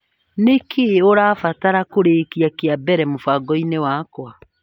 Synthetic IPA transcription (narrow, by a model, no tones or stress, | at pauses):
nekʰeoɾaːfataɾakoɾekiakeabɛɾɛmofaɡɔinewaːkwa